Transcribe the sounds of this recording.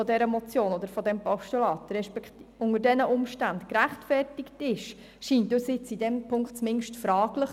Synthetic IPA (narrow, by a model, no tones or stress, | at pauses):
ɔdɛɾəmɔt͡sjoːnɔd̪əɾfɔdɛmpɔʃtulɑːtɾɛʃpɛktʊŋəɾdɛnəʔʊmʃtæntkɾæχtfɛrtɪktɪʃ | ʃiːntdʊsɪt͡sidɛmpʰʊŋkχtt͡smɪnʃtfɾɑːɡləχ